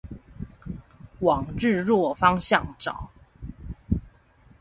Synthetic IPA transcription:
wɑ˨˩ŋɻɻ̩˥˧ɻwɔ˥˩fɑ˥ŋɕjɑ˥˨ŋʈ͡ʂɑ̰˨˩˦ʊ

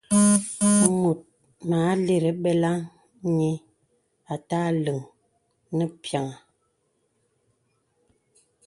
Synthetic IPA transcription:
mu˨t̚ | maː˨˦le˨ɾə˨ɓɛ˦la˦ŋ | ɲi˦ | a˨taː˦lɨ˨ŋ | nə˦pja˨ŋa˨

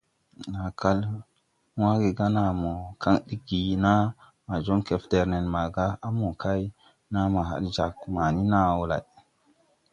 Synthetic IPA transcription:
na˨kʰa˦l | wa˦ɡe˨ɡa˦na˨mo˨ka˦ŋɗi˦ɡi˨na˦ | ma˨d͡ʒo˦ŋke˨fde˨ɾne˨nma˨ɡa˦a˦mo˨kʰa˦j | na˦ma˨ɦa̰˨ɗd͡ʒa˨k̚ma˨ni˦na˦wo˦la̰˨j

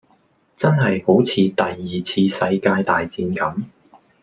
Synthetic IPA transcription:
t͡sɐ˥nɦɐ˨jho˨˥wt͡sʰiː˨˧t̪ɐ˨jːiː˨˩t͡sʰiː˧sɐ˧jkaː˧jt̪aː˨jt͡siː˨˧nkɐ˨˥m

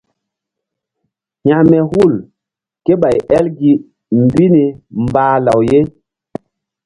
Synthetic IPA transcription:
hã˨mɛ˨hu˦˨l | ke˦ɓa˨jɛ˦lɡi˨ | mbi˦ni˨mbaː˨la˨wje˦

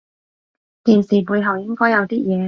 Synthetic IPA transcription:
t̪iː˨˩nsiː˨˩puː˨˧jɦɐ˨wjɪ˥ŋkɔː˥jɐ˨˧wt̪iː˥jɛː˨˧

